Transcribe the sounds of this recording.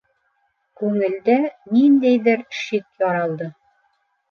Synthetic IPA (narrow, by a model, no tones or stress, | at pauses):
kʉŋɘ̆ld̪ænind̪æjðɘɾʃikjɑɾɑlˠd̪ɤ